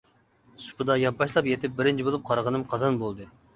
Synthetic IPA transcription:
su̥pɨd̪ɑjɑp̚bɑʃlˠɑpjet̪ʰɪp̚bɪɾɪnt͡ʃʰibolˠup̚qʰɑɾʁənɨmqʰɑzɑnbolˠd̪ɨ

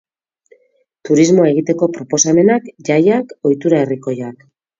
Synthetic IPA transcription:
t̪uɾizmo̞eɣit̪e̞ko̞pɾo̞po̞same̞nakʝajako̞jt̪uɾaeriko̞jak

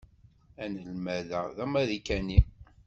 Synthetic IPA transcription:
ænəlmæðæðæmæðikæni

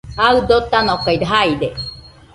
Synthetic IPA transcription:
aɯd̪ot̪ːanokaid̪ɦaid̪e

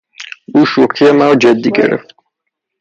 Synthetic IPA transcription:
uʃuqʰiɛmawd͡ʒɛd̪ːiɡɛ̰ɾɛ̰ft̪

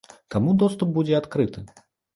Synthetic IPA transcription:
t̪amud̪ɔst̪up̚bud͡zʲɛat̪kɾɨt̪ɨ

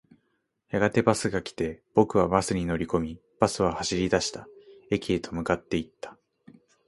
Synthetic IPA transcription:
jaɡat̪e̞basɨɡakʲi̥t̪e̞b̥o̞kɯ̟β̞abasɨɲ̟ino̞ɾʲiko̞mʲi | b̥asɨβahaɕiɾʲid̪aɕi̥t̪ae̞kʲie̞t̪ʰo̞mɯ̟kat̪ːe̞it̪ːḁ

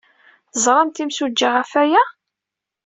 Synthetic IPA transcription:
zˤɾˤɑmt̪imsud͡ʒːiʁæfæjæ

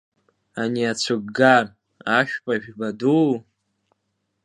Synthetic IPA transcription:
aniat͡ɕʷʰɨɡɡar | aʃᶣpʼaʒᶣbadu

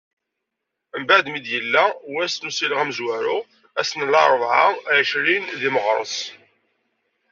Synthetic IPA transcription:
mbaʕd̪mid̪jəlːæwæsnusilʁæməzwæɾʊ | æsnəlɑ̰ɾˤəvʕaʃɾinðiməʁɾˤə̰sˤ

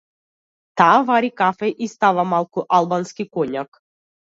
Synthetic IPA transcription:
t̪avaɾikafeʔist̪aʋamalˠkuʔalˠbanskikonʲak

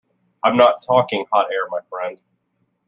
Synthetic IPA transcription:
ãɪ̃mnətʰɔkɪ̃ŋhɑɾɛɹmaɪfɹɛ̃nd̥

